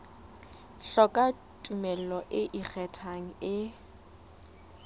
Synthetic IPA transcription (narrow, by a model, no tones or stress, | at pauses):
ɬɔkʼa | tʼumɛl̩lɔʔɪʔik͡xʰɛtʰaŋ̩ɪ